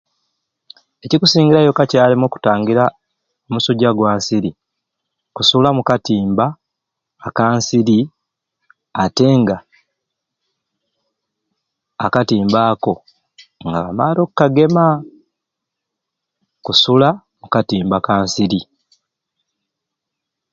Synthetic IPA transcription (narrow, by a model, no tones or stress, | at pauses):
e̞cikusiːɲɟiɾajo̞kacaːlimo̞ku̥taːŋɡiɾa | omusoɟaɡwaːnsiɾi | kusulamukatiːmbaː | kaːnsiɾi | ate̞ːŋɡa | katiːmbaːko̞ | ŋɡaβamaːɾo̞kːaɡe̞ma | kusula | mukatiːmbakaːnsiɾi